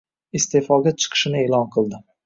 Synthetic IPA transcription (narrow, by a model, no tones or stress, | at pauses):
ɪst̪efɒɡʲat͡ʃʰɨ̥qʰɨ̥ʃɪnɪelˠɒnqʰɨlˠd̪ɪ